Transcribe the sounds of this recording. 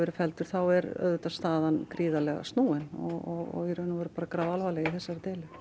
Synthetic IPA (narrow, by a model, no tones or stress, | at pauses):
ɛɾɪfɛlt̪ʏɾ̥θawɛɾœ̰ðt̪ast̪aːðankɾiːðalɛɣa̰st̪nuːɪnɔɣɔɣɔ̰iɾʏnːavɛɾpaːɾakɾawalvalɛɣaiθɛsːaɾɪt̪eːlʏ